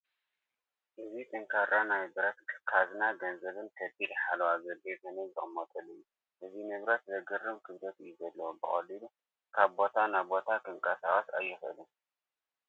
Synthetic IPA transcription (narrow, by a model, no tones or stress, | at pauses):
ʔɨzit̪ʼɨŋkʰaɾanajbɨɾɐt̪kʰkʰaznaɡɐnzɐβɨnkʰɐb̪ilħalɐwazɐb̪ezɐnɐzɨχʼmot̪ʼɐluju | ʔɨzimɨβɾɐt̪zɐɡɨrːɨmkʰɨβd̪ɐt̪ɨjːuzɐlːɐwubɨχʼɐ̰lilu | kʰaβbo̞t̪ʰanajbo̞t̪ʰakɨŋkʼasaχʼɐsa̰jːɪxɨ̰lɨm